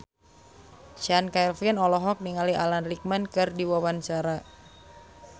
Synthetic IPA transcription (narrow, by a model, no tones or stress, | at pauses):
ʃankajlfinɔlɔɦɔk̚niŋaliʔalanrik̚mankɨrdiwawant͡ʃaɾa